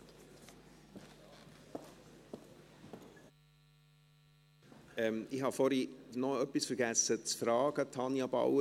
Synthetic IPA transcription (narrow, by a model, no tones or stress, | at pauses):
ɛmihɑfɔɾinɔœpːisfəɾɡæsət͡sfɾɑːɡ̥ətʰɑnjɑba̰ʊə